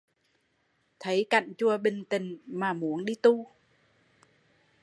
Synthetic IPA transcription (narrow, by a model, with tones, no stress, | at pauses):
t̪ʰə˨˦jka̰˧˨jŋt͡ɕu˧˩əɓï˨˩ŋt̪ï˨˩ŋ̟maː˨˩mu˨˦ənɗi˧t̪u˧